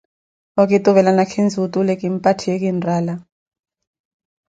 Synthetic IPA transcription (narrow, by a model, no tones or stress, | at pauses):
ɔkʼitʼuβɛlanakʰind͡zʱutʼulɛkʼim̩pʼatʰiekʼinrʱaːla